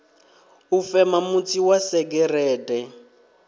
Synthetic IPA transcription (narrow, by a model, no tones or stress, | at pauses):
ufɛmamut͡siwasɛɡɛrɛːdɛ